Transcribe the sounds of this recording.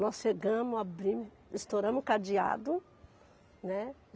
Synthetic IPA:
nɔsʃeɡɐ̃mʊabɾĩmʊ | ist̪oɾɐ̃mʊkad͡ʒia̰d̪ʊ | nɛ

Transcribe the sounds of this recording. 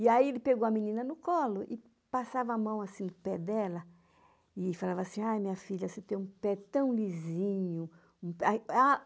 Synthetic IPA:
ɪaielɪpeɡowɐmĩnĩnɐnʊkɔlʊʔɪ | pasavɐamɐ̃w̃asĩd̪ʊpɛd̪ɛlɐ | ɪfalavɐasĩajmĩɲɐfiʎɐset̪ẽj̃ũpɛt̪ɐ̃w̃lizĩɲʊ | ũpaa

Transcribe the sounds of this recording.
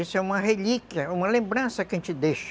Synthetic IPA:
esʊɛũmɐhelikjɐũmɐlẽmbɾɐ̃sɐkɪẽt͡ʃɪd̪eʃ

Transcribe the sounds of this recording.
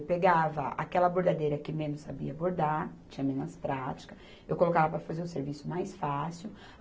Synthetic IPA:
peɡavɐa̰kɛlɐboɾd̪ad̪ejɾɐkɪmẽnʊsabḭɐboɾd̪aɾt͡ʃĩɲɐmẽnɐspɾat͡ʃi̥kɐ | ewkolokavɐpɾɐfazeɾʊ̃seɾvisʊmajsfasiw

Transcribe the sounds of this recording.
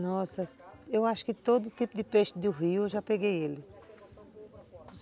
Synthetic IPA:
nɔsɐewaʃʊ̥kɪt̪od̪ʊːt̪ipʊd̪ɪpeʃt̪d̪uɦiʊʒapeɡejelɪ

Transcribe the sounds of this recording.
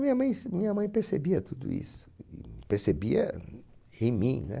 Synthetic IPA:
mĩɲɐmɐ̃j̃smĩɲɐmɐ̃j̃peɾsebiɐt̪ud̪ʊ̰ḭsʊ̥ɪpeɾsebiɐ̰ | ẽj̃mĩnɛ̰

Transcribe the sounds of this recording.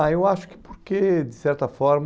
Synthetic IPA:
aewaʃʊ̥kɪ̥poɾked̪ɪsɛɾt̪ɐfɔɾm

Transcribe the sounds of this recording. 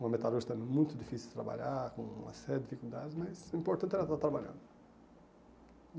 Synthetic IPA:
ũmɐmet̪aluɾʃt̪ɐ̃mẽj̃mũj̃t̪ʊd̪ifisit̪ɾa̰ba̰ʎakõũmɐ̰sɛɾɐd̪ifikuld̪ad͡ʒɪzmɐjzĩmpoɾt̪ɐ̃nt̪ɛɾɐt̪at̪ɾabaʎɐ̰̃nd̪ʊ

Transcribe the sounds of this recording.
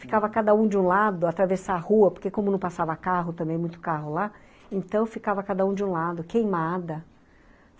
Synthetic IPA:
fi̥kavɐkad̪ɐũd͡ʒɪũlad̪ʊat̪ɾavesaahuɐpoɾkekõmʊnɐ̃w̃pasavɐakaɦʊt̪ɐ̃mbẽj̃mũj̃t̪ʊ̥kaɦʊla | ẽt̪ɐ̃w̃fikavɐkad̪ɐũd͡ʒɪũlad̪ʊkejmad̪ɐ

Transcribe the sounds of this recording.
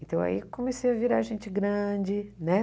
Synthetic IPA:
ẽt̪ɐ̃w̃a̰ḭkõmesejɐviɾaɾʒẽnt͡ʃɪɡɾɐ̃d͡ʒɪnɛ

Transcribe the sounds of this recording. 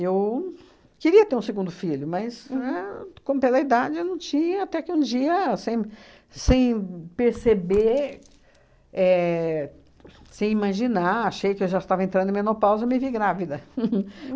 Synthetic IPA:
ew | kɪɾiɐt̪eɾũseɡũnd̪ʊfiʎʊmɐsɛkõmʊpelɐid̪ad͡ʒɪewnɐ̃w̃t͡ʃĩɲɐat̪ɛkɪũd͡ʒiɐsẽj̃ | sẽj̃peɾsebe | ɛ | sẽj̃imaʒinaaʃejʊkɪewʒaɪst̪avɐẽnt̪ɾɐ̃d̪ẽmẽnopawzɪemɪviɡɾavid̪ɐ

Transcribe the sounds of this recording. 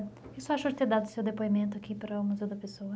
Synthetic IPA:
isʊaʃʊd͡ʒɪt̪eɾd̪ad̪ʊsewd̪epoimẽnt̪ʊakipɾɐʊmuzewd̪ɐpesowɐ

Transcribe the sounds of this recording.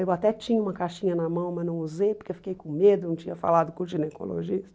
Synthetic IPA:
ewat̪ɛt͡ʃĩɲɐũmɐkaʃĩɲɐnɐmɐ̃w̃mɐnɐ̃w̃uzejpʊɾkewfi̥kejkõmed̪ʊnũw̃t͡ʃĩɲɐfa̰lad̪ʊkõʒineko̰lo̰ʒist̪

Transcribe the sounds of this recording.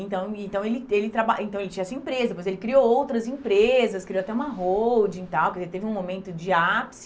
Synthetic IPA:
ẽnt̪ɐ̃w̃ẽnt̪ɐ̃w̃elɪelɪt̪ɾabaʔẽt̪ɐ̃w̃elɪt͡ʃĩɲɐɛsɐeĩpɾezɐd̪epojzelɪkɾiowowt̪ɾɐzẽpɾezɐskɾiowat̪ɛũmɐɦowd͡ʒɪ̃t̪awpokezeɪɾt̪evɪũmomẽnt̪ʊd͡ʒɪapsɪ̥

